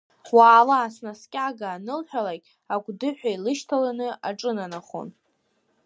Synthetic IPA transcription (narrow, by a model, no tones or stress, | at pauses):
waːlaːsnaskʲʼaɡaːnɨlħʷᶣalakʲʼ | aɡʷdɨħʷᶣailɨʃtʰalanɨa̰ʈ͡ʂʼɨnanaχo̰n